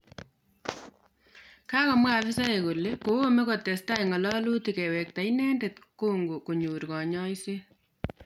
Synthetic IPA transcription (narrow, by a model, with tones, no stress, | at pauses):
ka˦kɔ˨m˦a˨fɪ˦sa˦e˨ku˨le˦ko˨wo˦me˦ko˨te˨sta˦jŋɔ˨lɔ˦lu˦ti˨kɛ˨wɛ˨k̚ta˨inɛ˦nde˨tko˦ŋɡu˨ku˨ɲuː˨ɾkɔ˨ɲɔ˦jse˦